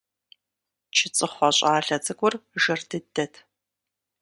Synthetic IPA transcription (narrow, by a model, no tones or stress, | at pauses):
t͡ʃʰɪt͡sʼɨχʷɐɕʼaːɬɐt͡sʼɨɡʷʊrʒɨrdɨdɐtʰ